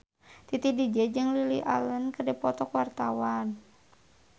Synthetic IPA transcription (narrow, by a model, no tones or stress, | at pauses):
t̪it̪idid͡ʒɛd͡ʒɨŋlilḭa̰lənkədɛpɔt̪ɔkwart̪awan